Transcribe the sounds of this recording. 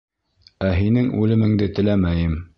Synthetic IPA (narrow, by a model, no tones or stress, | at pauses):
æɦinɘŋʉlɘ̆mɘ̆ŋd̪ɘt̪ɘ̆læmæjɘm